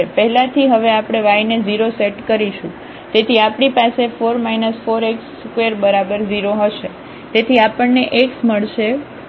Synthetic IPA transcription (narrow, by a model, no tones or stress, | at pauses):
epəɦlãt̪ʰiɦəʋeapɽ̃eʋajned͡ʒiɾoseʈkəɾiʃũ | t̪et̪ʰiapɳipasefoɾmajnəsfoɾeks | kʋeɾbəɾabəɾd͡ʒiɾoɦəʃe | t̪et̪ʰiapəɳneʔeksməɭʃe